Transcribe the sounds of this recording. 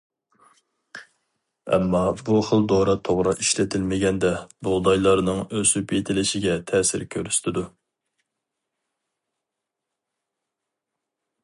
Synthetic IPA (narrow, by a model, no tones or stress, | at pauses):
ɛ̰mːɑbuχəlˠd̪oɾɑt̪ʰoʁɾɑiʃlɪt̪ʰɪlmɪɡʲɛnd̪ɛboʁd̪ɑjlˠɑɾnɨŋøsypʰet̪ʰɪlɪʃɪɡʲɛt̪ʰɛːsɪ̰ɾkʲʰøɾyst̪ʰɪd̪u